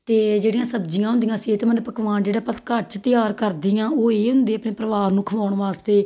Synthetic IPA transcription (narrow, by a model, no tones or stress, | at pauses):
t̪eːd͡ʒeːɽijãːsəbd͡ʒɪjãːɦʊnd̪ijãːseːt̪mənpəkʋaːnd͡ʒeːɽaːpət̪kəɾt͡ʃt̪ɪjaːɾkəɾd̪ɪjãːoːeːɦʊnd̪eːəpɳeːpɾəʋaːɾnũːkʰəʋaːʊɳʋaːst̪eː